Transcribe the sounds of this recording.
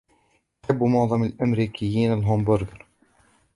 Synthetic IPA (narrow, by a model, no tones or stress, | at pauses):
ħabːmʊnðˤɑməlʔæmɾikʰəjːiːnəlɦɔmbʊɾɡəɾ